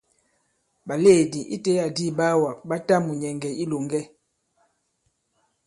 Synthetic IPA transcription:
ba˨le˦˨di˨ʔḭ˦te˦a˨di˦ba˦wa˨ba˦ta˦mu˨ɲɛ˨ŋɡɛ˨i˦lo˨ŋɡɛ˦

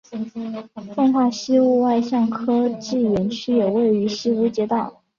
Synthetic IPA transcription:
fo˥˧ŋxwa˥˩ɕi˥u˥˧wa˥˧ɪɕjɑ˥˩ŋkʰɤ˥ʈ͡ʂ̩˥˩jɛ˧˥nt͡ɕʰy˥jo˨˩we˥˩ɪy˧˥ɕi˥u˧˥t͡ɕjɛ˧˥t̪ɑ˥˨˩

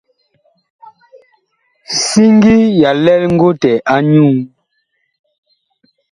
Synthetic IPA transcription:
si˦ŋ˦ɡi˦ja˨lɛ˦lŋ̩˦ɡo˦tɛ˨ʔa˦ɲuː˦˨

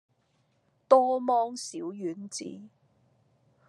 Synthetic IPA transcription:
t̪ɔː˥mɔː˥ŋsiː˨˥wjyː˨˥nt͡sḭː˨˥

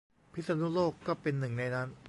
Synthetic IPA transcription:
pʰi˦˥t̪̚sa˧nu˦˥loː˥˩kːɔː˥˩pe˧nːɯ˨˩ŋna˧jnaː˦˥n

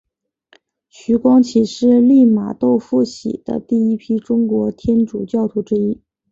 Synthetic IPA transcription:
ɕy˧˥kwɑ˥ŋt͡ɕʰi˨˩ʂɻ̩˥˧li˥˩ma̰˨˩t̪o˥˧ʊfu˥˩ɕḭ˨˩d̪̥ə̰˦t̪i˥˩i˥pʰi˥ʈ͡ʂʊ˥ŋkwɔ˧˥t̪ʰjɛ˥nʈ͡ʂu˨˩t͡ɕjɑ˥˩ʊt̪ʰu˧˥ʈ͡ʂɻ̩˥i˥

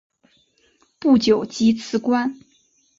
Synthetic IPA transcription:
pu˥˩t͡ɕjo˨˩ʊt͡ɕi˥t͡sʰɹ̩˥kwa˥n

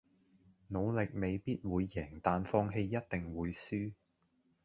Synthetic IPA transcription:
no˨˧wlɪ˨k̚me˨jpiː˥t̚wuː˨˧jːɛː˨˩ŋt̪aː˨nfɔː˧ŋɦe˧jːɐ˥t̚t̪ɪ˨ŋwuː˨˧jsyː˥

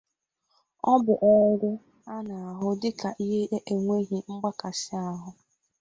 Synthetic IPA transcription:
ɔ˦bʊ˨ʔɔ˨ʊ˦ɾʊ˦ | a˦na˨a˨ɦʊ˦dɪ˦ka˨ʔi˦ɦe˦e˦ʔe˨ŋʷe˦ɦi˨ŋ͡m̩˦ɡ͡ba˦ka˨sɪ˦a˨ɦʊ˦

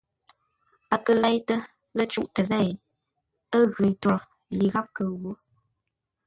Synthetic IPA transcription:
a˨kə˨lɛ˦jtə˦ | lə˦t͡ʃu˦ʔtə˨zɛ˦˨ | ə˦ɣʉ˨n˨to˨ɾ | li˨ɣa˦p̚kə˨wo˦

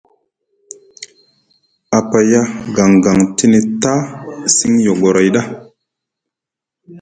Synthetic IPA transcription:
a˨pa˨ja˦ɡa˨ŋɡa˨ŋti˦ne˨ta˦si˦ŋjo˨ɡo˨ɾa˨jɗa˦

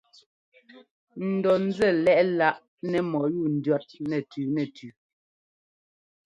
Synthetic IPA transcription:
n̩˨dɔ˨n̩˦d͡zɛ˦˨lɛ˦ʔla˦ʔ | nɛ˨mɔ˨ju˦˨n̩˨dɥɔ˦t̚nɛ˨tʉː˨nɛ˨tʰʉ˨

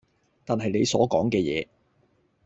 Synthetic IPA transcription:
t̪aː˨nɦɐ˨jne˨˧jsɔː˨˥kɔː˨˥ŋkɛː˧jɛ̰ː˨˧

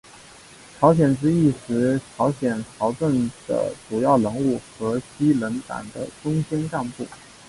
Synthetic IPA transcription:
ʈ͡ʂʰɑ˧˥ʊɕ̬jɛ˨˩nʈ͡ʂɻ̩˥i˥˩ʂɻ̩˧˥ʈ͡ʂʰɑ˧˥ʊɕjɛ˨˩nʈ͡ʂʰɑ˧˥ʊʈ͡ʂə˥˩ŋd̪̥ə̰˩ʈ͡ʂu˨˩jɑ˥˩ʊlɤ˧˥ŋu˥˩xɤ˧˥ɕi˥lə˧˥nt̪a̰˨˩nd̪ə̰˦ʈ͡ʂʊ˥ŋɕjɛ˥nka˥˧npu˥˩

